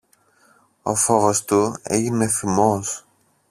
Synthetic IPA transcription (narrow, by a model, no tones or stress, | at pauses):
o̞̰fo̞ɣost̪uḛʝine̞fimo̞s